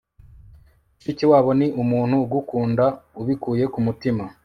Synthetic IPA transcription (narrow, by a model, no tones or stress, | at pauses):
iciwaːβo̞niʔumuːn̥huɡukuːndauβikuːje̞kumutima